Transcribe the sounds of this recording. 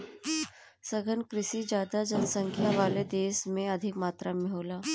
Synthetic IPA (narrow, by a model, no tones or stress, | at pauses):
səɡʱənkɾɪʃid͡ʒjaːd̪ad͡ʒənsə̃ŋkʰjaʋaːled̪eːsmẽɐd̪ʱɪkmaːt̪ɾamɪɦoːlaː